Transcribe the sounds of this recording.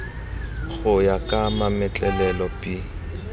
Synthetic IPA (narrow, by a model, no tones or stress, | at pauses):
ɣʊjakʼamamɪt͡ɬʼɛlɛlɔpʼi